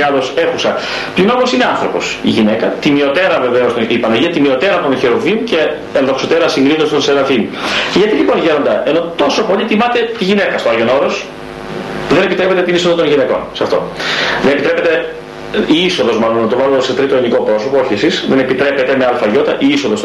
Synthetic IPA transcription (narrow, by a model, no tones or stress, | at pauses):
ɐðo̞se̞xusɐ | pino̞mosine̞ɐnθɾo̞po̞̰siʝine̞kɐt̪imio̞t̪e̞ɾɐve̞ve̞ost̪onipɐnɐʝiɐt̪imio̞t̪e̞ɾɐt̪onçeɾovimceː | nðoksot̪e̞ɾɐsiŋɡɾinost̪onsenɐθimuceʝɐt̪iʎipo̞nʝe̞ɾo̞nd̪ɐe̞no̞t̪o̞so̞po̞ʎit̪imɐt̪e̞t̪iʝine̞kɐst̪oɐlʝo̞no̞ɾos | ðe̞nepit̪ɾepet̪et̪iniso̞ðɐt̪onʝineko̞nsɐft̪o̞̰ðenepit̪ɾepe̞t̪e̞ | iisoðo̞zmɐlonːɐt̪ovɐzuoset̪ɾit̪oiniko̞pɾo̞sopooçisisðenepit̪ɾe̞pet̪e̞meɐlfɐʝo̞t̪ɐʔiiso̞ðos